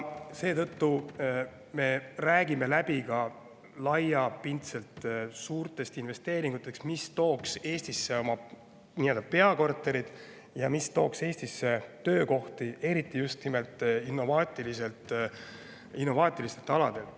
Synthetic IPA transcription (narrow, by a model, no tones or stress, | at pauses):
se̞ːt̪ɤ̞t̪ːu | me̞ræːɡime̞læb̥ikɑ | lɑjɑpint̪se̞lt̪suːrt̪ˑe̞st̪inve̞st̪e̞ːɾiŋɡ̥ut̪ːˑe̞ksmist̪o̞ːkse̞ːst̪isːe̞o̞mɑ | nie̞ld̪̥ɑpe̞ɑko̞rt̪ːˑe̞ɾid̪̥ | jɑmist̪o̞ːkse̞ːst̪isːe̞t̪ø̞ːko̞ht̪iʔe̞ɾit̪ˑːijust̪nime̞lt̪ˑinːo̞vɑːt̪ʲːˑilise̞lt̪ | inːo̞vɑːt̪ʲːˑilist̪et̪ːˑɑlɑd̪̥e̞lt̪